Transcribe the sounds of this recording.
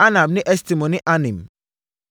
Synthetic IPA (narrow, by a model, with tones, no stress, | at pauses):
a˦nã˨bnɪ̃˦ʔɛ˦sti˨mɔ̃˨nɪ̃˦ʔa˦nĩ˨m